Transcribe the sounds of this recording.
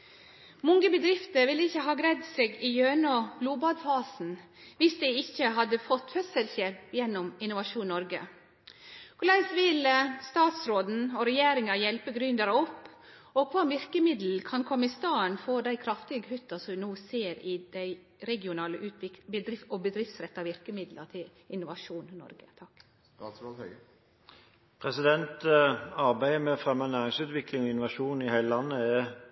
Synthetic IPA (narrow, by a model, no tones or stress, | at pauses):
mɔŋɡəbəd̪ɾɪft̪əɾʋɪlːəɪçːəɦɑːɡɾɛd̪seːɡɪjøːnɔbluːbɑd̪fɑːsn̩ʋɪsd̪ɛɪɪçːəɦɑd̪əfɔt̪ːfœsəlçeːpjɛnːʊmɪnʊʋɑʃuːnnːɔɾɡə̰ | kʰʊlæɪsʋɪlst̪ɑːt̪sɾoːd̪n̩ɔɾɛjeːɾɪŋɑjɛlpəɡɾʏnd̪əɾəɔpː | ɔkʰʋɑːʋɪɾkəmɪd̪l̩kʰɑnkʰɔmːɪst̪ɑːənfoːd̪æɪkʰɾɑft̪ɪɡəhʉt̪ːɑsɔnuːseːɾɪd̪̥æɪ | ɾɛɡɪʊnɑːləʔʉːt̪ɪkbəd̪ɾɪɔbəd̪ɾɪft̪sɾɛt̪ːɑʋɪɾkəmɪd̪lət̪ʰɪl | ɪnʊʋɑʂuːnnɔ̰ɾɡət̪ʰɑkː | s | pʰʁɛsɪd̪ɛnt̪əɑʁbæɪəmɛfʁɛmɑnæːʁɪŋsʉːt̪ʋɪklɪŋɔɪnʊʋɑʃuːnɪhæɪləlɑnːəɛ